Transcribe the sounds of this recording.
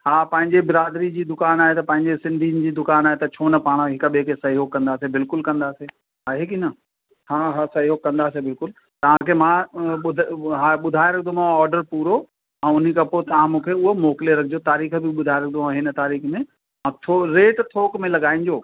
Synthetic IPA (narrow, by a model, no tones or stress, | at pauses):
haːpɐ̃ɦɪ̃ɲd͡ʑebɪɾaːd̪ɾid͡ʑiːd̪ʊkaːnaːɦet̪ɐpɐ̃ɦɪ̃ɲd͡ʑesɪ̃nd̪ʱinɪ̆d͡ʑiːd̪ʊkaːnaːɦet̪ɐt͡ɕʰoːnɐpaːɽ̃ɦɪkɓekesɐiɦokːɐ̃nd̪aːsebɪlkʊlkɐ̃nd̪aːseː | ɦaːɦekinɐ | haːɦasɐiɦoːkːɐ̃nd̪aːsebɪlkʊl | t̪ɐʋ̤ãkʰemãɓʊɦaːɓʊd̪ʱaːeɾɐkʰd̪omãɔːɾɖəɾpuːɾo | ɛ̃ːʊn̤ikɐpot̪ɐʋ̤ãmũːkʰeʊɦomoːkɪleɾɐkʰɪd͡ʑot̪aːɾiːxbɪɓʊd̪ʱaːeɾɐkʰd̪oãɦɪnə̆t̪aːɾiːxmẽ | mãt̪ʰoɾeːʈt̪ʰoːkmẽlɐɠaːĩɲ̆d͡ʑoː